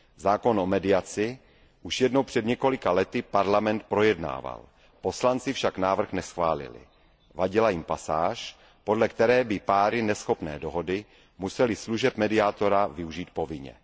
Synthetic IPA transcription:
zaːko̞nʔomɛdɪat͡sɪ | ʔuʃjɛdnowpr̥ɛdɲɛko̞lɪkalɛt̪ɪpaɾlamɛnt̪̚pɾo̞jɛdna̰ːva̰l | po̞slant͡sɪfʃaknaːvr̩xnɛsxvaːlɪ̰lɪ̰ | vaɟɪlajɪmpasaːʃ | po̞dlɛk̚t̪ɛɾɛːbɪpaːɾɪnɛsxo̞pnɛ̰ːdo̞ɦo̞dɪ | musɛlɪsluʒɛp̚mɛdɪat̪o̞ɾavɪuʒiːt̪̚po̞vɪɲɛ̰

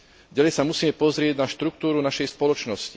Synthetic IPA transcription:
ɟalɛjsamusiːmɛpɔzɾɪɛɟnaʃt̪ɾuk̚t̪uːɾunaʃɛjspɔlɔt͡ʃnɔsci

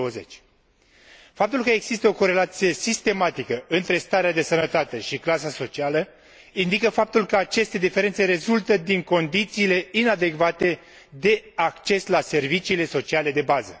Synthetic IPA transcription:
oəzet͡ʃʲ | fap̚t̪ulkəeɡz̥ist̪əo̞ko̞ɾe̞lat̪sije̞sist̪e̞mat̪ikəɨnt̪ɾe̞st̪aɾead̪e̞sənət̪at̪e̞ʃiklasaso̞t͡ʃialə | ind̪ikəfap̚t̪ulkəat͡ʃe̞st̪e̞d̪ife̞ɾe̞nt̪se̞ɾe̞zult̪əd̪iŋko̞nd̪it̪siːle̞inad̪e̞kvat̪e̞ | d̪e̞akt͡ʃe̞slase̞rvit͡ʃiːle̞so̞t͡ʃiale̞d̪e̞bazə

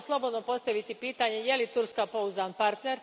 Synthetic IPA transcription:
slˠo̞bo̞d̪no̞po̞st̪aʋit̪ipiːt̪aɲe̞je̞lit̪uɾskapo̞uzanpaɾt̪ne̞ɾ

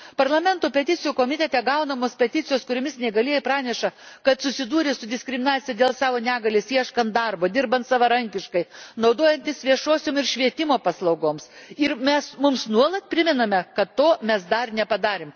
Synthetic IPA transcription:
pɐɾlˠɐmʲɛnt̪oːpʲɛt̪ʲɪt͡ssʲɪjukoːmʲɪt̪ʲɛt̪ʲɛɡɐʊnɐmoːspʲɛt̪ʲɪt̪sʲɪjoːskʊɾʲoːmʲɪsnʲɛɪɡɐlʲiɛjɪpɾɑːnʲɛʃɐkɐt̪sʊsʲɪd̪uːɾʲesʊd̪ʲɪsʲkɾʲɪmʲɪnɑːt͡ssʲɪjɛd̪ʲeːlˠsɑːʋoːnʲæːɡɐlʲesiɛʃkɐnt̪d̪ɑɾboːd̪ʲɪɾbɐnt̪sɑʋɐɾɐŋʲkʲɪʃkɐɪnɐʊd̪oːjɛnʲt̪ʲɪsʋʲiɛʃoːsʲoːmɪɾʃʲʋʲiɛt̪ʲɪmoːpɐslˠɐʊɡoːmsɪɾmʲɛsmʊmsnuɔlˠɐt̪̚pʲɾʲɪmʲɪnɐmʲɛkɐt̪tːoːmʲɛsd̪ɐrnʲɛpɐd̪ɑːɾʲem

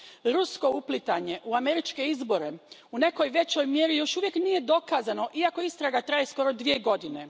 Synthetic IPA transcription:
ɾusko̞uplit̪aɲe̞ʔuame̞ɾit͡ʃke̞izbo̞ɾe̞une̞ko̞jʋe̞t͡ɕo̞jmje̞ɾijo̞ʃuʋje̞knije̞d̪o̞kaːzano̞ʔiako̞ist̪ɾaɡat̪ɾajesko̞ɾo̞d̪ʋie̞ɡo̞d̪ine̞

